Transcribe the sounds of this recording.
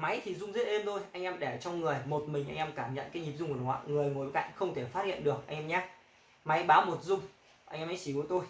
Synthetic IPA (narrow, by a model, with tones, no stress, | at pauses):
ma˨˦jt̪ʰi˨˩zʊ˧ŋ͡mzə˦˥t̚ʔe˧mt̪o˧jʔa˧jŋ̟ʔɛ˧mɗɛ˧˩t͡ɕɔ˧wŋ͡mŋɨ˨˩əjmo˨˩t̚mï˨˩ŋ̟ʔa˧ŋ̟ʔɛ˧mkaː˧˩mɲə̰˧˨nkaː˨˦jɲi˨˩p̚zʊ˧ŋ͡mkːwa˧˨ŋɨ˨˩əjŋo˨˩jka̰˧˨jŋ̟xə˧wŋ͡mt̪ʰe˧˩faː˦˥t̚hḭ˧ə˨nɗɨ˨˩ək̚ʔa̰˧jŋ̟ʔɛː˧mɲaː˦ | ma˨˦jɓaː˨˦wmo˨˩t̚zʊ˧ŋ͡m | ʔa˧jŋʔɛ˧mʔa˨˦jt͡ɕi˧˩ku˨˦t̪o˧j